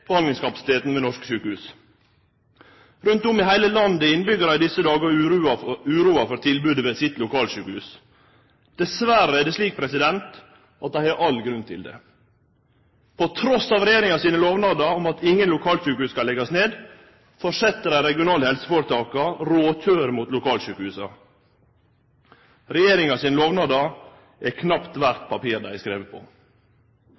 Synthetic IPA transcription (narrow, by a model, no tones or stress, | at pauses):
pəhɑnd̪ɪŋskɑpɑsɪ̥t̪ʰeːt̪n̩ʋɛnɔʂkə̥ʃyːkəhʉːs | ɾʉnt̪ʊmɪɦæɪləlɑnd̪əɪnbʏɡəɾæɪd̪ɪsəd̪ɑːɡə | ʉːɾuːɑfɔɾt̪ʰɪlbʉːd̪əʋesɪt̪lʊkʰɑːlʃʉːkhʉːs | d̪̥ɛsʋæɾəæɖɛsliːk̚pʰɾɛsɪd̪ɛnt̪ | ʔɑt̪̚d̪æɪæɾʔɑlɡɾʉnt̪ʰɪ̰ld̪ɛ̰ | pʰɔt̪ʰɾɔsɑːʋɾɛjeːɾɪŋɑsiːnəloːʋnɑd̪ɑɔmɑt̪ɪŋːənlʊkʰɑːlʃʉːkəhʉːskɑlɛɡɑsneːd̪ | fɔʂɛt̪ːəɾæɪɾɛɡɪʊnɑːləhɛlsəfoːɾət̪ʰɑːkɑɾoːt̪ʰøːɾmuːt̪lʊkʰɑːlʃʉːkəhʉːsɑ | ɾɛjeːɾɪŋɑsiːnəloːʋnɑd̪ɑ | ʔɛkʰnɑpt̪ʋæɾt̪pʰɑpiːɾd̪æɪæskɾeːʋəpʰɔ̰